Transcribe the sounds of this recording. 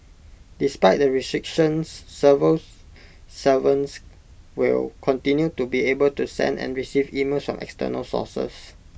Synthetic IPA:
dispaɪt̚dəɹistɹikʃə̃nsːəvəl | səvə̃ns | wḭlkʰɔ̃ntĩnjutubiebəltusɛ̰̃ndɛ̰̃nɹisivimelsfɹɔ̰̃mʔɛ̰kstə̰nə̰lsɔ̰sə̰s

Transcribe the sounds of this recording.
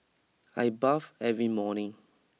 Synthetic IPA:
ajbavɛvɹimɔnɪ̃ŋ

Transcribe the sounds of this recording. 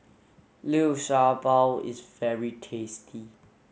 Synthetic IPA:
lioʃabalɪ̰zvɛɹitʰestʰi

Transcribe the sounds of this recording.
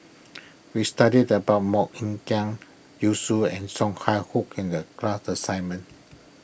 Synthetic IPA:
wistadidəbaʊt̚mɔkĩŋkãŋ | jusuɛ̃nsɔ̃ŋhajhukĩndəklasəsãjnmə̃n

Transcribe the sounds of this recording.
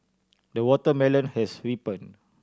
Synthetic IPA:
dəwɔtəmɛlə̃nhɛswipə̃n

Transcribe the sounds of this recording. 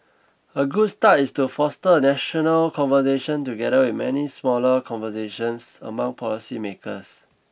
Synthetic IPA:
əɡud̚statistufɔstəənɛʃɔnəlkʰɔ̃nvəseʃə̃ntuɡɛɾəwiθmɛnismɔləkʰɔ̃nvəseʃə̃nsə̰mãŋpʰɔlisimekʰə̰s

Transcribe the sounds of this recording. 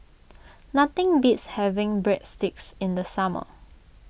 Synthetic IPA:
nat̪ɪ̃ŋbitshɛvɪ̃ŋbɹɛt̚stɪk̚sɪ̃ndəsamə̰

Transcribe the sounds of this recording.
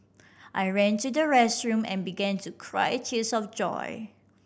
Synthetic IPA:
ʔajɹɛ̃ntudəɹɛstɹũmɛ̰̃nbiɡɛ̃ntʰukʰɹa̰ɪtʰiəsɔfd͡ʒɔ̰ɪ

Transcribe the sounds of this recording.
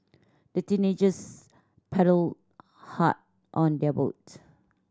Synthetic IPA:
d̥ətĩned͡ʒəs | pʰɛɾəl | ha̰t̚ | ʔɔ̃ndɛbo̰t̚

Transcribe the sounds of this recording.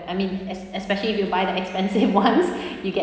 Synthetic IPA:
ajmĩnɛsɛspɛʃəliːfjubaɪdəɛkspɛ̃nsɪvwãnsjuɡɛ

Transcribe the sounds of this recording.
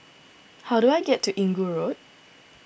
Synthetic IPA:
hawduajɡɛtʰːuʔĩŋɡuɹot̚

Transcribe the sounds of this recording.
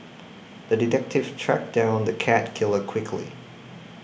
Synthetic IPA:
ðɨdɨtʰɛk̚tʰɨv̥tʰɹ̥æ̰k̚d̥ãʊ̃nnðɨkʰæt̚kʰɪlˠə˞kʰw̥ɪkʰlḭ

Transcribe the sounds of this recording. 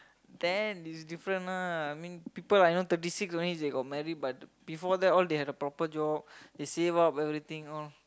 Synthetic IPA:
d̪ɛnisdifɾə̃naajmĩnpipəlajnot̪ət̬isiksɔ̃nisd̪eɡɔt̚mɛɾid̚bat̚bifɔd̪ɛtɔld̪eɦɛdəpɾɔpəd͡ʒɔb̚desevapɛvɾit̪ĩŋɔl

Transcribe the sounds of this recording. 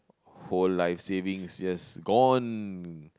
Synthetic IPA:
holːaɪfsevĩŋsd͡ʒasɡɔ̃n

